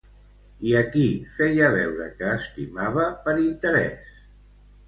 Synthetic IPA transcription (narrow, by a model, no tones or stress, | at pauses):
iəkifejəβ̞ɛwɾə̰kəːst̪imaβəpəɾint̪əɾɛ̰s